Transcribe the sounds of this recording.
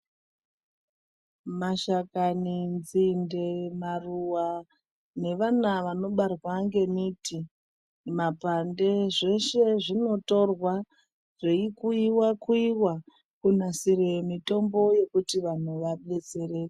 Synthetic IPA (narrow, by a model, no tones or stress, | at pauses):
maʃakanind͡zinde̞maruwa | ne̞ʋanaʋano̞ɓarwaŋɡe̞mitʰi | mapande̞ʐe̞ʃe̞ʐino̞to̞rwa | ʐ̥eikuiwakuiwa | kun̤asiɾe̞mito̞mbo̞je̞kutiʋan̤uʋaɓe̞t͡se̞ɾe̞ːke